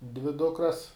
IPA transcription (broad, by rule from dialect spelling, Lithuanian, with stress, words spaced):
dʲʋʲɪ ˈdʊkrɐs